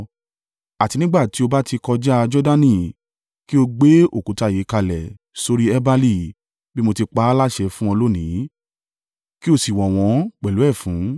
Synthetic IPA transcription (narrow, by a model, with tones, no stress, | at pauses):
a˨ti˧nĩ˦ɡ͡ba˦˨ti˨˦o˧ba˦ti˧kɔ˧d͡ʒa˦a˧d͡ʒɔ˦da˦nĩ˦˨ | ki˦o˧ɡ͡be˦o˦˨kũ˨˦ta˨˦je˨˦ka˧lɛ˨ | so˧ɾi˦ɛ˦ba˦li˦˨ | bi˦mo˧ti˧k͡pa˧˦a˦la˦ʃɛ˧fũ˦ɔ̃˧lo˦nĩ˨˦ | ki˦o˧si˨wɔ˨w̃ɔ̃˨˧˦k͡pɛ˨lu˨˦ɛ˦˨fũ˨˦